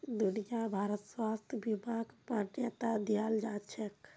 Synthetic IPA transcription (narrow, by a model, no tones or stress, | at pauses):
d̪unijabʱaɾət̪swast̪ʰbimakpɾanjət̪ad̪ijald͡ʒat͡ʃʰɛk